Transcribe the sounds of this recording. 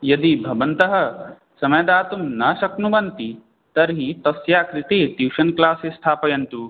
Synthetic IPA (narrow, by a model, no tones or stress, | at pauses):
jɐd̪ibʱɐʋɐnt̪ɐɦɐ̆ | sɐmɐjɐd̪aːt̪umnɐʃɐknuʋɐnt̪i | t̪ɐɾɦit̪ɐsjaːkɾit̪eːt̪iːʃɐnklaːsesʈ̪ʰaːpɐjɐnt̪u